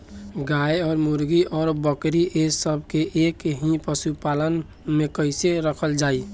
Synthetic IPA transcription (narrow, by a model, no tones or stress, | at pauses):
ɡajɔːɾmuɾɡiʔɔːɾbəkɾiʔesəbʱkeʔekɦĩpəsupalən | mekəɪseɾəkʰəld͡ʒai